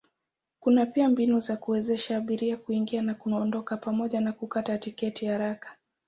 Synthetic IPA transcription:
kunapiambinuzakuwɛzɛʃaːɓiɾiakuiŋɡianakunɔndɔkapamɔʄanakukatatikɛtihaɾakḁ

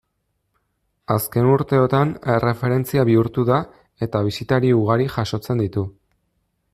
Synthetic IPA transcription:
aske̞nuɾt̪e̞o̞t̪ane̞re̞fe̞ɾe̞nt͡siaβiuɾt̪uða | e̞t̪aβ̞isit̪aɾiuɣ̞aɾiʝaʃo̞t͡se̞nd̪it̪u

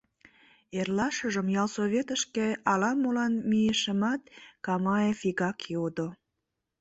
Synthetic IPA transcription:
erlɑʃəʒəmjɑlsoβʲet̪əʃkeɑlɑmolɑnmieʃəmɑt̪kɑmɑjefiɣɑkjod̪o

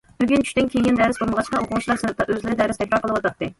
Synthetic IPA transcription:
b̥yɡʲɪnt͡ʃʰy̥ʃʲt̪ɪnkʲʰeɡʲɛnd̪æɾɪsbolˠməʁɑt͡ʃqɑoqʰʊʁʊʃʰt͡ʃlˠɑɾsɨɾɨp̚t̪ɑʔøzlɪɾɪd̪æɾɪst̪ʰɛkʲɾɑɾqʰəlˠəwɑt̪ɑt̪ːɨ

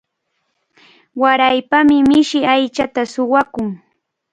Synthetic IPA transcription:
waɾajpamɪmɪʃɪajt͡ʃat̪asʊwakʊŋ

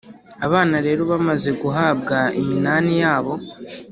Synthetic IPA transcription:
aβaːnaɾe̞ːɾo̞βamaze̞ɡuɦaːbɡaiminaːnijaːβo̞

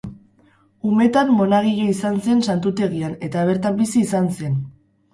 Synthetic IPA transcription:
ume̞t̪amːo̞naɣ̞iʎoisanse̞nsant̪ut̪e̞ɣiane̞t̪aβ̞e̞ɾt̪ambisiːsanse̞n

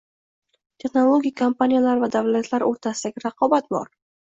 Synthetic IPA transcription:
t̪ʰeχnolˠoɡʲijkʰampanijalaɾvad̪avlat̪ʰlaɾoɾt̪ʰasɪd̪aɡʲɪɾaqʰɒbat̪bɒ̰ɾ

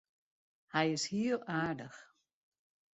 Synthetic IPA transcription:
hɛjɪshiəlˠaːdəx

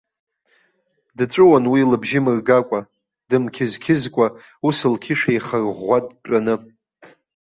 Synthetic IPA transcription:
dʈ͡ʂʷʼɨwanwilɨbʒɪmɨrɡakʷʼa | dɨmkʲʰɪzkʲʰɪzkʷʼa | usɨlkʲʰɪʂajχarʁʷatʼʈ͡ʂʼanɨ

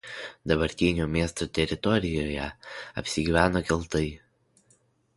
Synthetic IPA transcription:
d̪ɐbɐɾʲt̪ʲiːnʲoːmʲeɛst̪oːt̪ʲɛɾʲɪt̪ɔɾʲɪjoːjɛɐ̰pʲsʲɪɡʲiːʋʲæːnoːkʲɪlˠt̪ɐɪ

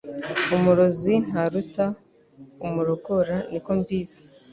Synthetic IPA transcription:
umuɾozin̥haɾuta | umuɾoɡoɾaniko̞mbiːzi̥

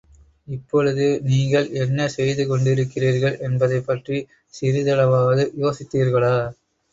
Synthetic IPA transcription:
ɪpːɔɻɯðɯniːŋɡɐɭɛnːɐsɛjðɯkɔɳɖɪɾɯkːɪriːɾɣɐɭʔɛnbɐðɐɪpːɐʈri | sɪɾɪðɐlɐʋaːʋɐðɯjoːsɪt̪ːiːɾɣɐɭaː

